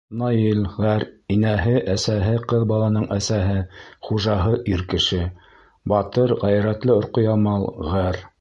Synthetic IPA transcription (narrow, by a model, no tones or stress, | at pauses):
nɑjilʁæɾinæɦɘʔæsæɦɘqɤðbɑlˠɑnɤɴʔæsæɦɘχuʒɑɦɤʔiɾkɘ̆ʃɘ | bɑt̪ɤɾʁæjɾæt̪lɘŏɾqŏjɑmɑlˠʁæɾ